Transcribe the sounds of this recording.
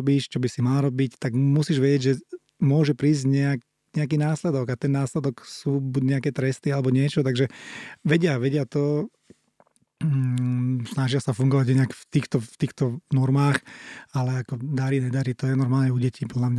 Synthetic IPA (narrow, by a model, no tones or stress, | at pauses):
biːʃt͡ʃɔbisimalaɾɔbict̪aɡmusiːʒʋɛɟɛɟʒɛ | mʊɔʒɛpɾiːzɟɲɛak | ɲɛak̬iːnaːslɛd̪ɔɡat̪ɛnːaːslɛd̪ɔksuːbuɟɲɛakɛːt̪ɾɛst̪ialɛbɔɲɪɛt͡ʃɔt̪aɡʒɛʋɛɟɪaʋɛɟɪat̪ɔ | snaʒɪasafuŋɡɔʋaɟinakft̪iːxt̪ɔft̪iːxt̪ɔnɔɾmaːxalɛakɔd̪aɾinɛd̪aɾit̪ɔjɛnɔɾmaːlɲɛuɟɛcʰiːpɔd̪lamɲa